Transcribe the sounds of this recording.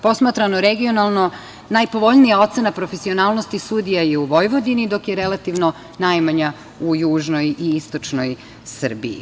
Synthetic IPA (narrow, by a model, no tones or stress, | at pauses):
po̞smat̪ɾanoɾeɡio̞nalˠno̞ | najpo̞ʋo̞ʎnijao̞t̪se̞napɾofesio̞naːlˠno̞st̪isud̪ijajeuʋo̞jʋo̞d̪inid̪o̞kjeɾe̞lˠat̪iʋno | najmaɲa | ujuːʒno̞jiist̪o̞t͡ʂno̞j | sr̩biḭ